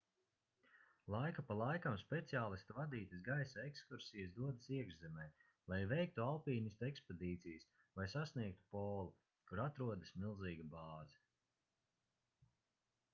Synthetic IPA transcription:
lˠajkapalˠajkamspʲet̪siaːlˠist̪uvad̪iːt̪is̬ɡajsaekskuɾsijasd̪uɔd̪ɐsiɛɡʒzɛmɛj | lˠajvɛjk̚t̪ualˠpiːnist̪eksped̪iːt̪sijs | vˠajsasniɛk̚t̪u̥pɔːlˠu | kuɾat̪ɾuɔd̪asmilˠziːɡabaːzi

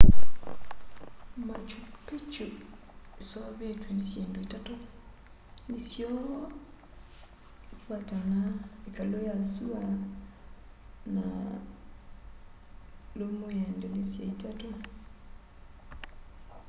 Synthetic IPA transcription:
mat͡ʃupet͡ʃo | esɔβetwenesjeːndoitato | nesjɔ | epwatanaekalojasua | na̰ | lomojɛndɛnesjaitato

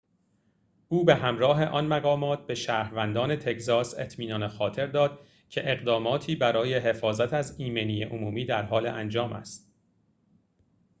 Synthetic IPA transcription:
ʔuːbe̞hæmɾɒːɦe̞ʔɒnmæɣɒːmɒːt̪̚ʰbe̞ʃæːɾvænd̪ɒːne̞t̪ʰe̞kzɒːse̞̰t̪ʰmiːnɒːnexɒːt̪ʰe̞ɾd̪ɒːd̪̥ | cʰe̞ʔeɣd̪ɒːmɒːt̪ʰiːbæɾɒːje̞ɦe̞fɒːzæt̪ʰæziːmeniːjeʔomuːmiːd̪æɾɦɒːleʔænd͡ʒɒːmʔæ̰st̪̚

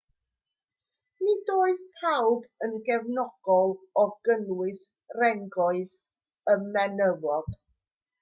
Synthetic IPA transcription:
nidoːɨðtʰawbənɡɛvnɔɡ̥ɔlˠɔɡ̥ənwɨs | rɛŋɡɔɨð | əmːɛnəvɔd̥

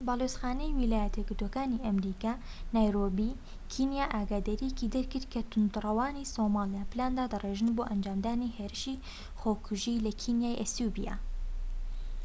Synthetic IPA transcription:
baːleːsxaːnɛjwilaːjɛt̪ʰɛɡɨɾd̪oːkaːniʔɐmɾiːkaː | najɾoːbiː | kʰiːnjaːʔaːɡaːd̪ɐɾijɛkiːd̪ɛɾkɨɾtkʰɐt̪ʰʊnd̪rɐwaːniːsoːmaːlijaːpɨlaːnd̪aːd̪ɨreːʒɨnboːʔɐnd͡ʒaːmd̪aːniːheːɾɨʃiː | xoːkʰʊʒiːlɐkʰiːnjaːjʔɛsuːbija̰ː

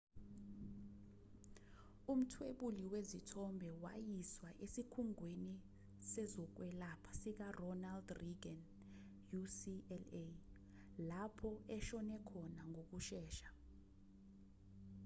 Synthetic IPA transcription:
um̩tʰweɓuliwezitʰɔmbʱɛwa̰jiswaʔesikʰuŋweni | sɛzɔk̬wɛlapʰḁsik̬arɔnaldriɡɛn | jusiɛle | lapʰɔɛʃɔnɛkʰɔnaŋʱok̬uʃɛːʃḁ

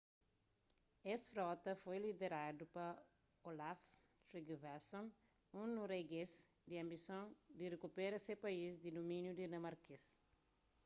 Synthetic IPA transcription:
esfɾɔt̪ɐfojlid̪eɾad̪upɐ | olaf | t̪ɾiɡvasõn | ũnuɾeɡezd̪iɐ̃mbisõnd̪irekupeɾɐsepɐizd̪id̪umĩnjud̪inɐ̃maɾkes

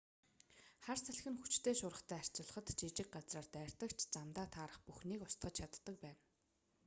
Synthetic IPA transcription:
χarsæɮxɘ̆nxut͡ɕt̪ʰeːʃʊɾə̆χt̪ʰæːar̥ʲt͡ɕɪ̆ɮə̆χə̆t̪t͡ɕit͡ɕɪ̆k̚ɢat͡sraːrt̪æːr̥ʲt̪ə̆kt͡ɕʰt͡samt̪aːt̪ʰaːɾə̆χpuxniːkʊst̪ɢə̆t͡ɕt͡ɕʰat̪ːə̆k̚pæːn

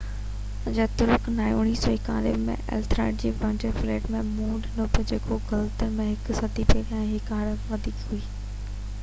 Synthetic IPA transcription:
d͡ʑeːt̪ʊɾʊknaːjoːɽ̃iːsoɪka̰ːlɪ̰bmḛ̃ʔɛ̰lt̪ɾa̰ːɖ̚d͡ʑeːbɐ̃ɳd͡ʑefleːʈmẽmũːɖnopɪd͡ʑeːkʰoɡɐlt̪ənmẽɦɪksɐd̪ipeːʋãɦɪkaːɽʋɐd̪ʱiːkɦuiː

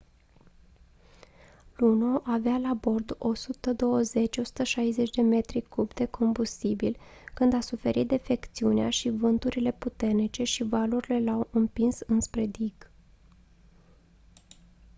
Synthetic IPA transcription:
lunoʔavealabo̞rd̪o̞sut̪əd̪o̞wəze̞t͡ʃʲo̞su̥t̪əʃajze̞t͡ʃʲd̪e̞me̞t̪ɾikubd̪e̞kʰo̞mbust̪ibilkɨnd̪asufe̞ɾit̪̚d̪efe̞kt̪siuneaʃivɨnt̪uɾile̞put̪e̞rnit͡ʃe̞ʃivaluɾile̞lawɨmpinsɨnspɾe̞d̪iɡ̥

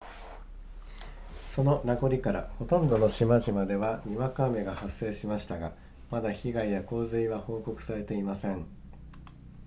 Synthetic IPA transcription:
so̞no̞naɡo̞ɾʲikaɾa̰ho̞t̪õ̞nd̪o̞no̞ɕimaʑimad̪e̞βaɲ̟iβakaːme̞ɡahasːe̞ːɕimaɕi̥t̪aɡa | mad̪açiɡaijako̞ːzɨiβaho̞ːko̞kɯ̟̥saɾe̞t̪e̞imasẽ̞ɴ

